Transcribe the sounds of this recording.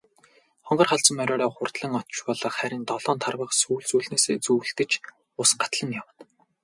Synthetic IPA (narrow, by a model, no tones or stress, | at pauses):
χɔɴɢɞ̆rχaɮt͡sə̆mœɾʲɔːɾɔːχʊrt̪ɮə̆ŋɔ̥t͡ɕpɔɮə̆χχæɾʲɪ̆nt̪ɔɮɔːnt̪ʰarwə̆χsuːɮt͡suːɮneːseːt͡suːɬt̪ɘ̆t͡ɕ | ʊsɢḁt̪ɮə̆ŋjawə̆n